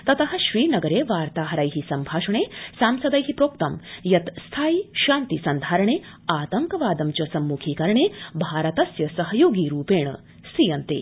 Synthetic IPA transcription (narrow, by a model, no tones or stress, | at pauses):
t̪ɐt̪ɐɦɐ̆ɕʋiːnɐɡɐɾeːʋaːɾt̪aːɦɐɾajɦisɐmbʱaːʂɐɳesaːmsɐd̪ajɦipɾoːk̚t̪ɐmjɐt̪st̪ʰaːiɕaːnt̪isɐnd̪ʱaːɾɐɳe | aːt̪ɐŋkɐʋaːd̪ɐmt͡ɕɐsɐmːukʰiːkɐɾɳeːbʱaːɾɐt̪ɐsjɐsɐɦɐjoːɡiːɾuːpeːɳ̃ə̰ | sɾijɐnt̪ḛː